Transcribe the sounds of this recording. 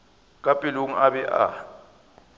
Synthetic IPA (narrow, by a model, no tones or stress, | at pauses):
kʼapʼiluŋ̩abɛʔa̰